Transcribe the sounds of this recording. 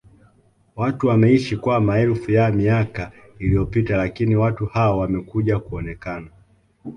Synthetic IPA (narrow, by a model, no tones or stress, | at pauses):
watuwamɛiʃikwamaɛlfujamiaka | ilijɔpitalakiniwatuhaɔwamɛkuʄakuɔnɛkana